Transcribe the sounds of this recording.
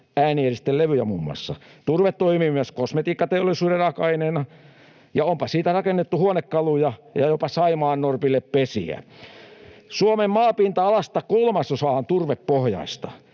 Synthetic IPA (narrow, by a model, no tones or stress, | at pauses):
æːnierist̪ːelleʋyjæ̰mumːuɑ̰sːɑ̰t̪urʋet̪t̪oimimyæskosmet̪iːkːɑt̪eolːˑisuːderɑkɑineːnɑ | jɑompɑsiːt̪ærɑkenːet̪ːuhuonekːɑlujɑjɑjopɑsɑimɑːnnorpilːeppesḭæ̰ | suomemmɑːpint̪ɑɑlɑst̪ɑkulmɑsːosɑːˑhɑnt̪urʋeppohjɑ̰ist̪ɑ